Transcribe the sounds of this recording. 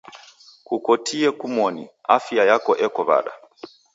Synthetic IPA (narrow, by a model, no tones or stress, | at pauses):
kukɔtiɛkumɔnḭafiajakɔʔɛkɔβa̰ɗa̰